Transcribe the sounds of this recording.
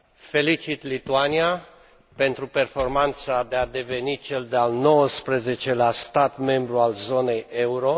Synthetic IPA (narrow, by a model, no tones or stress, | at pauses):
fe̞lit͡ʃit̪lit̪uania | pe̞nt̪ɾupe̞rfo̞rmant̪sad̪ead̪e̞ve̞nit͡ʃe̞ld̪ealno̞wəspɾeze̞t͡ʃe̞last̪at̪me̞mbɾualzo̞ne̞je̞uɾo̞